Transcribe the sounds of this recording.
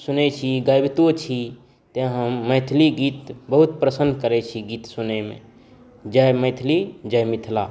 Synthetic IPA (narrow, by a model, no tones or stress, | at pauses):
sʊnet͡ʃʰiɡajbt̪ot͡ʃʰi | t̪eɦəmːəɪt̪ʰliɡiːt̪bəɦut̪pɾəsənkəɾet͡ʃʰiɡiːt̪sʊnemḛ̃ | d͡ʒəjməɪt̪ʰlid͡ʒəjmɪt̪ʰla